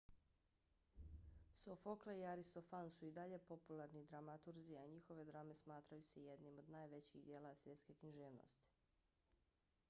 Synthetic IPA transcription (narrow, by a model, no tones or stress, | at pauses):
sofokleiaɾist̪o̞fansuid̪aʎe̞po̞pulˠaɾnid̪ɾamat̪uɾziaɲixo̞ʋe̞d̪ɾame̞smaːt̪ɾajuseje̞d̪nimo̞d̪naːjʋe̞t͡ɕḭd̪je̞ːlˠasʋje̞t̪ske̞kɲiʒeːʋno̰st̪i̥